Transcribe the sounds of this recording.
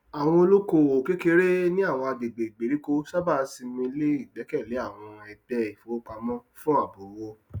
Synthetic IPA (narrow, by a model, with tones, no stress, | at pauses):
a˨w̃ɔ̃˧o˧lo˦ko˦o˨ke˦ke˧˦ɾe˦nĩ˦a˦˨w̃ɔ̃˧a˧de˨ɡ͡be˨ɡ͡be˨ɾi˨˦ko˦ʃa˦ba˦˨˧si˧mĩ˧˦le˦i˦˨ɡ͡bɛ˨˦kɛ˦˨le˨˦a˦˨w̃ɔ̃˧ɛ˨dɛ˧i˨fo˨˦k͡pa˧mɔ̃˦fũ˦a˦˨bo˨wo˧